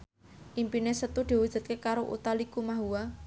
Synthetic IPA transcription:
ʔimpinesət̪ud̪̥i̤wud̥ʒ̥ṳt̪̚kekaɾoʔṵt̪alikumaɦuwa

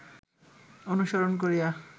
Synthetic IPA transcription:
onuʃoɾonkoɾija

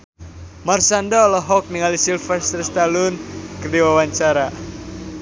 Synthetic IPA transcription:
marsandaɔlɔɦɔk̚niŋalisilfɛst̪ərst̪alʊnkərdiwawaɲt͡ʃaɾa

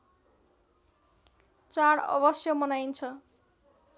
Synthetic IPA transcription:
t͡saɽʌ̰bʌsjʌmʌnajnt͡sʰʌ

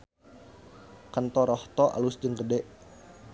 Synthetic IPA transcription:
kant̪ɔɾɔht̪ɔʔa̰lusd͡ʒəŋɡədɛʔ

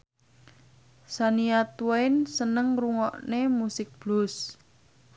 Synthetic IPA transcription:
saniat̪uwaɪnsənəŋruŋɔʔnemusɪk̚b̥lʊs

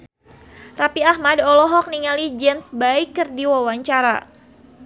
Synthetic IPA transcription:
rapiahmadɔlɔɦɔk̚niŋalid͡ʒɛmsbaikːərdiwawaɲt͡ʃaɾa̰

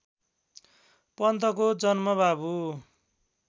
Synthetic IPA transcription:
pʌnt̪ʌkod͡zʌnmʌbabu

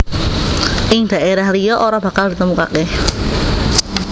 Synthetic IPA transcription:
ʔɪŋd̪̥ä̤ʔeɾahlijɔʔoɾab̥a̤kald̥i̤t̪əmuka̰keh

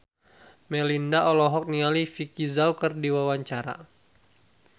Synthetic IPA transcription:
mɛlindaʔɔlɔɦɔk̚nialifikizawkərdiwawaɲt͡ʃaɾa̰

